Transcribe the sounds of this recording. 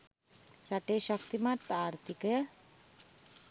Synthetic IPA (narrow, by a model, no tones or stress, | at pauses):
ɾaʈeʃak̚t̪imat̪aaɾt̪ikəja